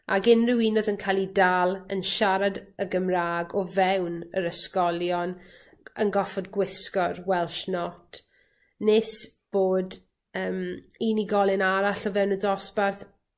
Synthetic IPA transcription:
ʔaɡɪnrɪwiːnɔðənkʰajlˠidalˠənʃaɾadəɡəmraːɡɔvɛwnəɾəskɔlˠjɔn | ənɡɔfɔdɡwɪskɔrwɛlˠʃnɔtʰ | nɪsb̥oːd | əːm | iniɡɔlˠɪnaɾaɬɔvɛwnədɔsbarθ

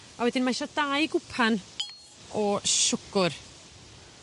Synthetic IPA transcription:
awɛdɪnmajʃɔd̥ajɡʊpʰan | ɔʃʊkʊr

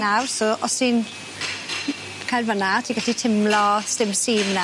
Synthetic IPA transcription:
nawsoʔɔsin | kʰajlvənatʰiːɡatitʰɪmlɔstɪmsiːmna

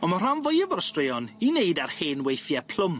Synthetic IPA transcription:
ɔmar̥anvɔjəvɔɾstrɪjɔnineɨdarheːnwejθjɛpʰl̥ˠʊm

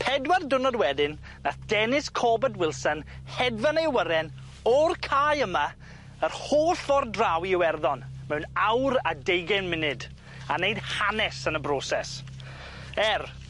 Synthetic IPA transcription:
pʰɛdwardʊnɔdwɛdɪnː | aθd̥ɛnɪskʰɔːbɛdwɪlˠsənhɛdvanejwəɾɛn | ɔrkʰajəma | ərhoːɬɔrdrawiɪwɛrðɔnmɛwnawɾadejɡɛnmɪnɨd | anejd̥hanɛsənəbrɔːsɛs | ɛr

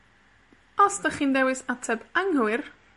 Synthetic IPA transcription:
ɔsd̥əχiːndɛwɪsatʰɛbaŋhuɪr

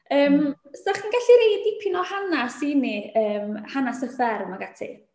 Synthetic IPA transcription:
əːmsaχinɡaɬiɾejdipʰɪnɔhanasiːniəːmhanasəfɛɾmaɡatʰḭ

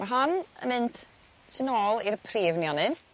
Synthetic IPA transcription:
maɦanə̰mɪnt̪ | sʰɪnɔːlˠirpʰreːvnjɔnɨn

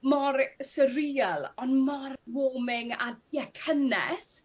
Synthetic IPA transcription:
mɔrsəriːəlˠɔnmɔrwoːmɪŋa̰jɛkʰənɛ̰s

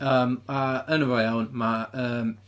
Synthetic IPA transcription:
əːmaənəvɛwnmaəːm

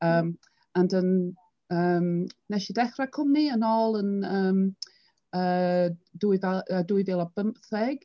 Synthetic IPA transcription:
əːm | andən | əːmnɛʃidɛχrakʰʊmniənɔːlˠənəːm | əːduɨðaəduɨðɪlˠɔb̥əmpθɛɡ̥

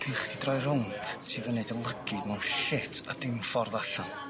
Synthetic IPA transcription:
r̥ʰiχdidrɔjɾɔnttʰiːvənedəlˠəɡɨdmawnʃɪtʰa̰dɪmfɔrðaɬɔn

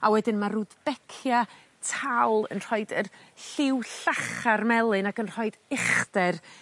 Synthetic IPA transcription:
awɛdɪnmarudbɛkʰja | tʰawlˠə̰nr̥ɔɨdərɬɪwɬaχarmɛlˠɨnakənr̥ɔɨdɪχdɛr

